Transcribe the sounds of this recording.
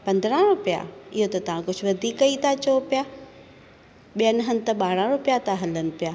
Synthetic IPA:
pɐ̃nd̪ɾãɾʊpija̰ɪɦot̪ɐt̪ɐʋ̤ãkʊd͡ʑʱʊʋɐd̪ʱiːkɐit̪ʰat͡ɕopijaː | ɓijənɦənɪ̆t̪ɐɓaːɾãɾʊpijat̪ʰaɦɐlənɪ̆pjaː

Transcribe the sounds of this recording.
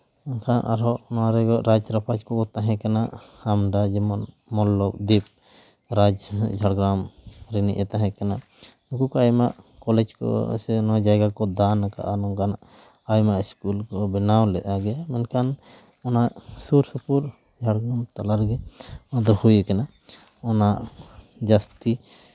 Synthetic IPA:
ɔnkʰanʔa̰ɾɦɔʔnaɾɛɡɔʔɾad͡ʒɾapʰad͡ʒkɔkɔt̪aɦɛ̃kanaʔamɖad͡ʒɛmɔn | mɔlːɔk̚d̪ip̚ | ɾad͡ʒd͡ʒʱaɽɡɾamɾɛnḭʔɛt̪aɦɛ̃kana | ũkukajmaʔkɔlɛd͡ʒkɔ̰sɛnɔd͡ʒajɡakɔd̪anaka̰ʔanɔŋkanaʔ | ajmaʔiskulkɔbɛnawlɛʔ̪ʔaɡɛjamɛnkan | ɔnaʔsuɾsupuɾ | d͡ʒʱaɽɡɾamt̪alaɾɡɛɔd̪ɔhujɛkana | ɔnaʔ | d͡ʒast̪i

